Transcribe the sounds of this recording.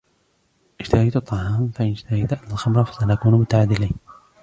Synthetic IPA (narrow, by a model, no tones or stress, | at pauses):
ʔɪd͡ʒt̪ahajt̪t̪ˤːɑhɑːmfaʔɪnɪd͡ʒt̪ahajt̪aʔalxamɾˤɑfḁsanakuːnmʊt̪aʕaːd̪ːɪliːn